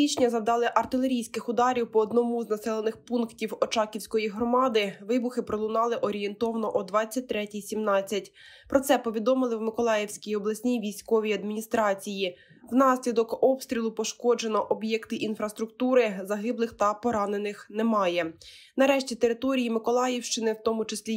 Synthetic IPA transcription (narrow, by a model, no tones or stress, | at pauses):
it͡ʃnʲɐzɐd̪ɑlˠɪʔɐrt̪ɪlˠeɾʲijsʲkɪxʊd̪ɑɾʲiwpɔːd̪nɔmuznɐsɛlˠenɪxpunktʲiwɔt͡ʃɑkʲiwsʲkɔjiɦɾɔmɑd̪ɪʋɪbʊxɪpɾɔlˠʊnɑlˠɪʔɔɾʲijent̪ɔʋɐnɔʔɔd̪ʋɑt͡sʲːɐt̚ʲt̪ːɾɛtʲijsʲimnɑt͡sʲːɐtʲ | pɾɔt̪sɛpɔʋʲid̪ɔmɪlˠɪwmɪkɔlˠɑjewsʲkʲijɔblˠɐsʲnʲijʋʲijsʲkɔʋʲijɐd̪mʲinʲist̪ɾɑt͡sʲiji | wnɑsʲlʲid̪ɔkɔpst̪ʲɾʲilˠʊpɔʃkɔd͡ʒe̞nɔʔɔbjɛkt̪ɪʔinfɾɐst̪ɾʊk̚t̪uɾɪzɐɦɪblˠɪxt̪ɐpɔɾɑne̞nɪxnɛmɑjɛ | nɐɾɛʃtʲit̪eɾɪt̪ɔɾʲijimɪkɔlˠɑjɛwʃt͡ʃɪnɪwt̪ɔmʊt͡ʃesʲlʲi